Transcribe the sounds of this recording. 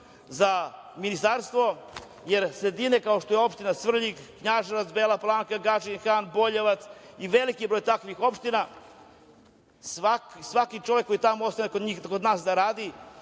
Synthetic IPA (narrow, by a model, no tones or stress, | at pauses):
zaminist̪aɾst̪ʋo̞ | jeɾsɾed̪inekao̞ʃt̪ojeo̞pʃt̪inasʋr̩ʎikːɲaːʒeʋat̪sbeːlaplˠaːŋkaɡat͡ʃinxaːnbo̞ʎeʋat̪siʋe̞likibɾo̞jt̪akʋixo̞pʃt̪ina | sʋaksʋakit͡ʃo̞ʋekːo̞jit̪amootst̪anekod̪ɲiːxkod̪naːsd̪aɾaːd̪i